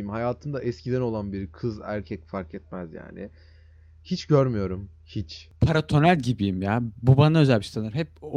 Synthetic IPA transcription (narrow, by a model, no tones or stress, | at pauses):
imhajaːt̪ʰɯnd̪aʔɛscʰid̪æno̞lˠanbiɾkʰɯzæ̰ɾcʰɛc̚faɾkɛt̪̚mæzja̰ːnɪ̰ | hit͡ʃɟøɾmyjo̞ɾum | hit͡ʃpʰaɾat̪ʰo̞nælʲɟibijimjaːbubanaø̞zælʲmiʃsanɯɾɦɛp̚